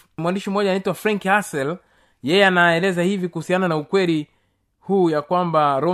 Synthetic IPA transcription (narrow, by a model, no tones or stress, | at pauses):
mwandiʃim̩ɔɲʄanaitwafɾaŋkasɛl | jɛjɛanaɛlɛzahivikuhusiananaukwɛli | huːjakwambaɾɔ